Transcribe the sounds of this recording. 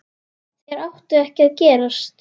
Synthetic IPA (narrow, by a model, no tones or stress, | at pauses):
θjɛɾawht̪ʏɛhcɪaðcɛːɾast̪